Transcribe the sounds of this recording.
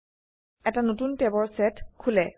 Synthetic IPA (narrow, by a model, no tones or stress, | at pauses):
ɛtanotuntɛbɔɹsɛtkʰulɛ